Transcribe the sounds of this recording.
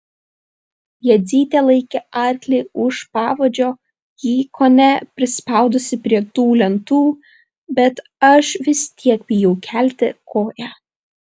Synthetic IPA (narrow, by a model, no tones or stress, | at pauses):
jɛd̪zʲiːt̪ʲeːlˠɐɪkʲɛʔɑˑɾʲklʲɛɪʊʃpɑːʋod͡ʒʲoː | jiːkʰoːnʲɛpʲɾʲɪspɑˑʊd̪ʊsʲɪpʲɾʲiɛt̪uːlʲɛnt̪uː | bʲɛt̪ | ɐʃʋʲɪst̪ʲiɛkbʲɪjɛʊkʲʰæˑlʲt̪ʲɪkʰoːjæ